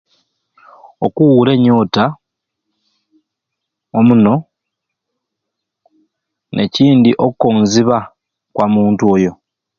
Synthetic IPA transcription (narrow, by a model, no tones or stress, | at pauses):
okuwuɾe̞ɲːo̞ːta | omuno̞ | nʔe̞ciːndiʔo̞kkːonziβa | kwamuːntuo̞ːjo̞